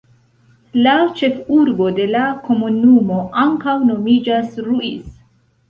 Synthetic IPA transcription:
lat͡ʃe̞fuɾbo̞de̞lako̞munumo̞ʔaŋkawno̞mid͡ʒasɾuḭs

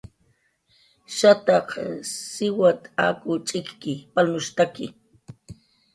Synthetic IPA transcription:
ʃat̪ɑqsɪwat̪a̰kʊt͡ʃʼɪkkɪpalnʊʃt̪akɪ̰

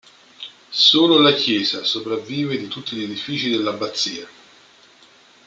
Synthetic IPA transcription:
soːlolakjɛːzasopɾavːiːved̪it̪ut̪ːiʎed̪ifiːt͡ʃid̪elːabat̪sːiːa

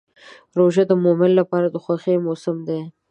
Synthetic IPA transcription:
ɾoʒad̪əmomɪllapɑɾad̪əxwaxemosɪmd̪e

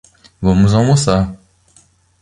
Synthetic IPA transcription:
vɐ̃mʊzawmosaɾ

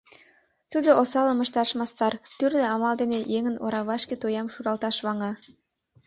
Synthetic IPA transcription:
t̪ud̪oʔosɑləməʃt̪ɑʃmɑst̪ɑrt̪yrneɑmɑld̪enejeŋəno̰ɾɑβɑʃket̪ojɑmʃuɾɑlt̪ɑʃβɑŋɑ

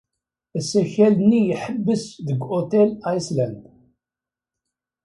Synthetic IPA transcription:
əsæçælnːijəħəbːəsðəɡʔot̪ɛlajslænd̪

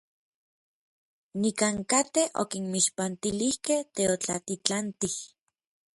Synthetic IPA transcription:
nikaŋkat̪eʔo̰kinmiʃpant̪ilihkeht̪eot͡ɬat̪it͡ɬant̪ih

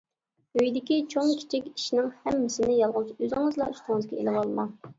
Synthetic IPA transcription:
øjd̪ɪkʲit͡ʃʰoŋkʲʰi̥t͡ʃʰɪkʲi̥ʃnɪŋhɛmːɪsɪnɪjɑlˠʁʊsøzɪŋɨzlˠɑyst̪ʰɪŋɨzɡʲɛḭlɪwɑlˠmɑŋ

